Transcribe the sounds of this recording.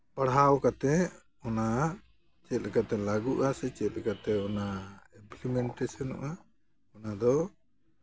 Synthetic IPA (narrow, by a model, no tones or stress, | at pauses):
paɽɦawkat̪ɛ | ɔna | t͡ʃɛt̪̚ˀlɛkat̪ɛlaɡuʔasɛt͡ʃɛt̪̚lɛkat̪ɛɔnaimplimɛɳʈɛsɔnɔ̰ʔa | ɔnad̪ɔ